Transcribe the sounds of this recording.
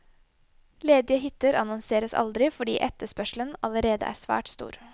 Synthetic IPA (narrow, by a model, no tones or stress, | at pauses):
leːd̪ɪəɦɪt̪ləɾɑnɔnseːɾəsɑ̰ld̪ɾɪfɔɖḭːʔɛt̪ːəʂpœʂl̩ənɑləɾeːd̪ə̰ʔæ̰ːʂʋæ̰ːʈst̪ṵːɾ